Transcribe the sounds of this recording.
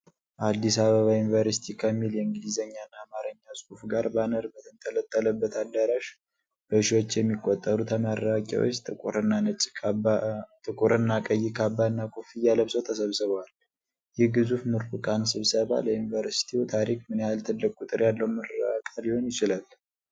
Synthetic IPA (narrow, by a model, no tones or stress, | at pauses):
ʔad̪ːisaβəβajunivəɾsi̥t̪ʰikʰəmːiljɛɨŋɡlizəɲːanːaːmaɾəɲːasʼufɡaɾbanəɾbət̪ʰɨnt̪ʰələt̪ʼːələbːət̪ʰad̪ːəɾaʃ | b̥əʃiwo̞t͡ʃːjɛmːikʼːot̪ʼːəɾut̪ʰəmaɾakʼa̰wot͡ʃːt̪ʰɨkʼuɾɨnːanɨt͡ʃʼ | t̪ʰɨkʼuɾʔɨnːakʼəjːikʰabanːakʰʼofijaləβsəwt̪ʰəsəβsɨβwal | jɛhɡɨzufmuɾfɨkʼansɨβsəβa̰ləjunivəɾsi̥t̪ʰiut̪ʰaɾikmɨnehalt̪ʰɨd̪ːəkʼut̪ʼɨɾjalːəwuməɾəa̰kʼaliho̞njɪt͡ʃɪlal